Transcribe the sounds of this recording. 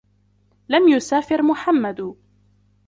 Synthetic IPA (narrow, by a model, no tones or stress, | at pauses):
lamjʊsaːfɪɾmʊħamːad̪